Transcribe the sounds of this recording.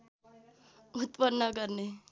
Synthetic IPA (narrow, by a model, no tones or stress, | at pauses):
ut̪pənːəkəɾne